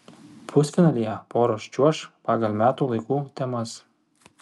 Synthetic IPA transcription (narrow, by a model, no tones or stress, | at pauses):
pʰʊsʲfʲɪnɑlʲijɛpoːɾoʃʲt͡ʃʲuɔʃpɑːɡɐlʲˠmʲæːt̪uːlˠɐɪkuːt̪ʲɛmɐs